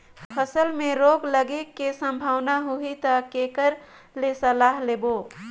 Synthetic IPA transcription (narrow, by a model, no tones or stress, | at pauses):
pʰəsəlmẽɾoɡləɡekesə̃mbʱaːwnaɦuɦit̪əkekəɾ | lesəlaɦleːbo